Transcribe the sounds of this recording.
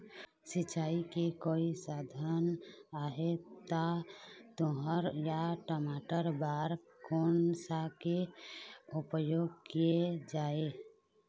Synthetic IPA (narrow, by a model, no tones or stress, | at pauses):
sɪt͡ʃaːikekoːisaːd̪ʱanaːɦet̪at̪oɦəɾjaʈəmaːʈəɾbaːɾ | kʰoːnsake | ʊpəjoːɡkijed͡ʒaːe